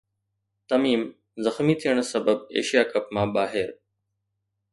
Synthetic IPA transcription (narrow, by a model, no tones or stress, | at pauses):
t̪ɐmiːm | zɐxmit̪ʰiəɽ̃sɐbəb̚ḛːʃijaːkəpmãːɓaːɦɪɾ